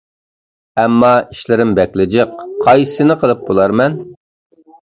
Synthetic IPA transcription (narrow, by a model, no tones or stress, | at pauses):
ɛmːɑiʃlɪɾɪmbɛkʲlɪd͡ʒɪqʰːɑjsɨnɨqʰəlˠɨp̚bolˠɑɾmɛn